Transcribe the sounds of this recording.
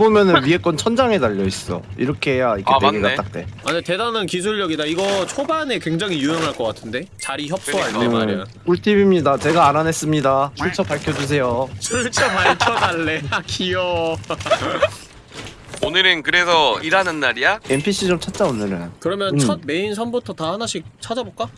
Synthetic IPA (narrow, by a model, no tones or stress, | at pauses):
bomjʌnɯniek͈ʌnt͡ɕʰʌnd͡ʑaŋedaʎːʌis͈ʌ̰ḭɾʌkʰeɦejaikkeeɡat͈ak̚t͈e̞aɲete̞danɯnkis̬ʰuɭːʌɡidaiɡʌt͡ɕʰobane̞kwe̞ŋd͡ʑaŋɦijuɦeŋɦaɭk͈ʌk͈atʰɯnde̞t͡ɕaɾiçjʌp̚s͈oaɭe | uɭtʰibimɲidat͡ɕe̞ɡaːnane̞s͈ɯmɲidaɕimt͡ɕʰʌpaɭkʰjʌd͡ʑus̬ʰe̞jot͡ɕoɭt͡ɕʰʌpaɭt͡ɕʰʌdaɭːe̞jakʰijʌ | onɯɾɯnkɯɾe̞sʰʌiɾanɯnːaɾijaenpʰiɕ͈ʰit͡ɕomt͡ɕʰat̚t͡ɕ͈aonːɯɾojakɯɾʌmjʌnt͡ɕʌd̚me̞insʰʌnbutʰʌtahanaɕʰik̚t͡ɕʰad͡ʑaboɭk͈a